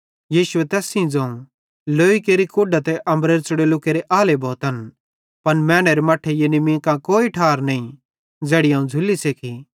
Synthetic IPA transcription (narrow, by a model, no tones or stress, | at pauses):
jiːʃʊet̪ɛːsĩd͡zɐ̃ũ | loːikeːɾikoːɖat̪ɛʔɐ̃mbɾeːɾt͡sʊɽelʊkeːɾeʔaːlebʱɔːt̪ən | pɐnmɛːɽ̃eɾemɐʈʰejenimĩːkãkoːiʈʰaːɾnɐĩ | d͡zeːɽiɦãːũd͡zʱʊlːisekʰi